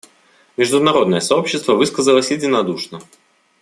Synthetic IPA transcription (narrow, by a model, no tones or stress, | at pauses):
mʲɪʐd̪ʊnɐɾo̞d̪nəjəsɐo̞pɕːɪst̪vəvɨskəzəlˠəsʲjɪdʲɪnɐd̪uʂnə